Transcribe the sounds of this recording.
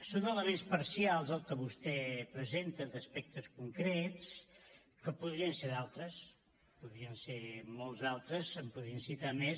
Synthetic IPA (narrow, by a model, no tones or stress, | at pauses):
sonələmenspəɾsialˠzəlˠkəβust̪ɛpɾəzent̪əd̪əspɛk̚t̪əskuŋkɾɛs | kəpuðɾiənseɾðalˠt̪ɾəs | puðɾiənseɾmɔlˠzðalˠt̪ɾəzəmpuðɾiənsit̪ames